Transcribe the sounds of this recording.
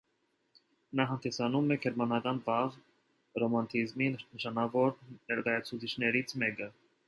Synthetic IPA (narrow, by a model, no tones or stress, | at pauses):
nɑɦɑnd̪isɑnumɛkʰɛɾmɑnɑkɑnvɑʁ | rɔmɑnt̪ʰizminəʃɑnɑvɔɾnɛɾkɑjɑt͡sʰut͡sʰit͡ʃʰnɛɾit͡sʰmɛkə